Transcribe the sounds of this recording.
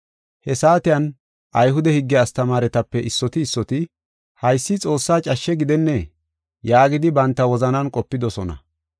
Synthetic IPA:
hɛsaːt̪ɪjɐn | ʔɐjɦʊd̪ɛhɪɡːɛːst̪ɐmaːɾɛt̪ɐpːɛʔɪsːɔt̪ɪːsːɔt̪ɪ | hɐjsːɪt͡sʼo̞ːsːaːt͡ʃʼɐʃːɛɡɪd̪ɛnːɛ | jaːɡɪd̪ɪbɐnt̪ːɐwɔzɐnɐnkʼɔpːɪd̪ɔsɔnɐ̰

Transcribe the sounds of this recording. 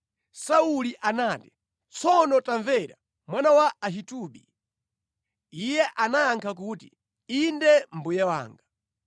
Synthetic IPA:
sauliʔanaːti̥ | t͡sɔnɔtaɱvɛɾa̰ | mwanawaːɦituɓḭ | ijɛʔanajaŋkʰak̬utḭ | indɛm̩bujɛwa̰ːŋɡa

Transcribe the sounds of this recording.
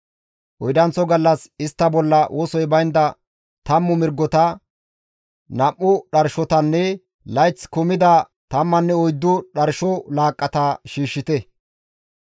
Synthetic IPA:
ʔɔjd̪ɐnt͡sːɔɡɐlːɐsɪst̪ːɐbɔlːɐwʔɔsɔjbɐjnd̪ɐ | t̪ɐmːʊmɪɾɡːɔt̪ɐ | nɐʔːʊɗɐɾʃɔt̪ɐnːɛ | lɐjt͡skʊmɪd̪ɐ | t̪ɐmːɐnːɛɔjd̪ːʊɗɐɾʃɔlaːkʼːɐt̪aːʃiːʃːɪt̪ɛ

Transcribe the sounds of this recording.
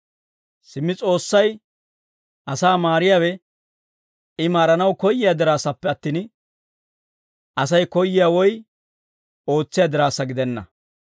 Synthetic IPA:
sɪmːɪt͡sʼo̞ːsːɐj | ʔɐsaːmaːɾɪjaːwɛ | ɪmaːɾɐnɐwkɔjːɪjad̪ɪɾaːsɐpːɛɐt̪ːiːn | ʔɐs̬ɐjkɔjːɪjaːwɔj | o̞ːt͡sːɪjad̪ɪɾaːsːɐɡɪd̪ɛnːɐ̰

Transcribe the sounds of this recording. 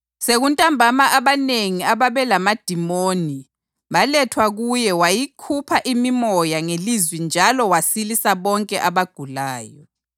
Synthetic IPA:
seɣuntʼambʱamaʔaβaneŋiaβaβɛlamad̥ʱimoːni | βalɛtʰwaɣujɛwajikʰupʰaʔimimɔjaŋelizwind͡ʒʱalɔwasilisaβɔŋkʼɛʔaβaɡ̥ʱulaːjɔ

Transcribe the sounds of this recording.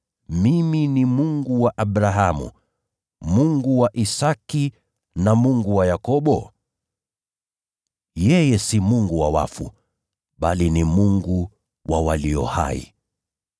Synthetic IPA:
miminimuŋɡuwaʔaɓɾaɦamṵ | muŋɡuwaʔisaki | namuŋɡuwajakɔɓɔ̰ | jɛjɛsimuŋɡuwawa̰fṵ | ɓalinimuŋɡu | wʔawaliɔ̰ha̰ḭ

